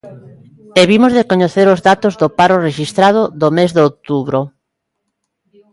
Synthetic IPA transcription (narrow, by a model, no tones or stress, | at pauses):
eβimozðekoɲeθeɾozðat̪ozðopaɾʊreʃist̪ɾað̞ʊðomezðok̚t̪uβɾo